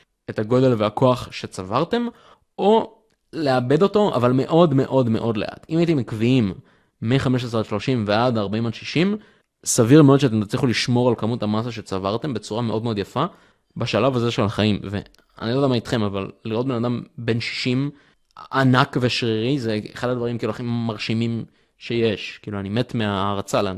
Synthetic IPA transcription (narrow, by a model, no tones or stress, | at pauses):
etaɡo̞d̪e̞lveako̞aχʃe̞t͡savaʁte̞m | o̞ | leabe̞do̞to̞a̰valmeʔo̞dme̞ʔo̞dme̞ʔo̞dle̞ʔa̰timajit̪̬emikviimː | eχameʃ̬esaʃlo̞ʃimveadaʁbaimodʃiʃim | saviʁmeo̞d̪ʃeat̪̬emtat͡sliχuliʃmo̞ʁalkamuthamas̬aʃe̞t͡savaʁt̪e̞mbe̞t͡suʁame̞ʔo̞d̪meo̞d̪jafa | baʃalavaze̞ʃelaχaimve̞̰ | a̰niod̪amaitχe̞mavalːiʁot̚benadambe̞nʃi̥ʃim | anakveʃʁiʁizeeχadad̪vaʁimkiluaχimaʁʃimim | ʃe̞je̞ʃkiːluanime̞tmeaʁat͡sala